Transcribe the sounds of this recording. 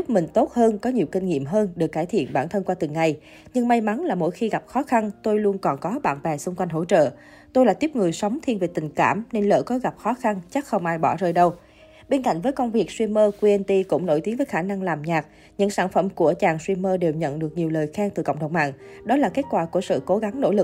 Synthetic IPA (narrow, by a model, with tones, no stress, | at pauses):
k͡p̚mï˨˩ŋ̟t̪o˦˥t̚həː˧nkɔ˨˦ɲi˨˩əwkï˧ŋ̟ŋḭ˧˨əmɦəː˧nɗɨ˨˩kːaː˧˩jt̪ʰḭ˧˨ənɓaː˧˩nt̪ʰə˧nkwaː˧t̪ɨ˨˩ŋa˨˩j | ɲɨ˧ŋma˧jma˨˦nlaː˨˩mo̰˧˥˨jxi˧ɣa˨˩p̚xɔ˨˦xa˧nt̪o˧jlu˧ənkɔ˨˩nkɔ˨˦ɓa̰ː˧˩nvaː˨˩sʊ˧ŋ͡mkwa˧jŋ̟ɦo̰˧˥˩t͡ɕə̰ː˧˨ | t̪o˧jlaː˨˩t̪i˦˥p̚ŋɨ˨˩əjsə˨˦wŋ͡mt̪ʰi˧nve˨˩t̪ï˨˩ŋ̟ka̰ː˧˩mne˧nlə̰ː˧˩kɔ˨˦ɣa˨˩p̚xɔ˨˦xa˧nt͡ɕa˦˥k̚xə˧wŋ͡mʔaː˧jɓɔ˧˩zəː˧jɗə˧w | ɓe˧nka̰˧˨jŋ̟vəː˨˦jkə˧wŋ͡mvi˨˩ək̚swi˧məː˧kwi˧ʔe˧nt̪i˧kʊ̰˧˥ŋ͡mno̰˧˩jt̪i˨˦ənvəː˨˦jxaː˧˩na˧ŋlaː˨˩mɲaː˨˩k̚ | ɲɨ̰˧˥ŋsaː˧˩nfə̰˧˩mku˧˩ət͡ɕaː˨˩ŋswi˧məː˧ɗe˨˩wɲə̰˧˨nɗɨ˨˩ək̚ɲi˨˩əwləː˨˩jxaː˧ŋt̪ɨ˨˩kə̰˧˨ŋ͡mɗə˨˩wŋ͡mma̰ː˧˨ŋɗɔ˨˦laː˨˩ke˦˥t̚kwaː˧˩ku˧˩əsɨ̰˧˨ko˨˦ɣa˨˦ŋno̰˧˥˩lɨ˨˩k̚